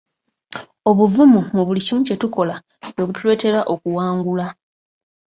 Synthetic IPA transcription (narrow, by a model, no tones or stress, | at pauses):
o̞βuvumumuβulicimuce̞tuko̞la | βwe̞βutulwe̞ːte̞laʔo̞kuwaːŋɡula